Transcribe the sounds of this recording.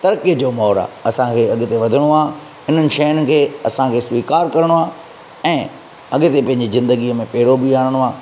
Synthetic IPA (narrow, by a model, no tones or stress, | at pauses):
t̪ɐɾkiəd͡ʑoːmɔːɾa̰ɐsãkʰeːɐɠɪ̆t̪eʋɐd̪ʱɪɽ̃oaː | ɪn̤ənɪ̆ʃɐjənɪ̆kʰeːɐsãkʰeːsʋiːkaːɾkɐɾɪɽ̃oaː | ɛ̃ː | ɐɠɪ̆t̪epɐ̃ɦɪ̃ɲ̆d͡ʑizɪ̃nd̪əɡiəmẽpɐɦɪɽobiaːɽ̃ɽ̃oaː